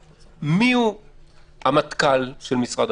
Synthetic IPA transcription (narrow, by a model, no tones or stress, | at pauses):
miu | hamat̪kalʃelmisʁad